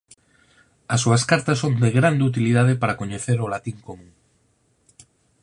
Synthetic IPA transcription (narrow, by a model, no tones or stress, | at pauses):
ɐsːuɐskaɾt̪ɐsond̪eɣɾand̪eut̪̬iliðað̞epaɾakoɲeθeɾolat̪iŋkomũŋ